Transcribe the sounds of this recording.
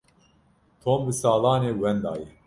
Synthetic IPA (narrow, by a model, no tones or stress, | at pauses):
t̪ʰoːmbɨsɑːlɑːneːwɛnd̪ɑ̰ːjɛ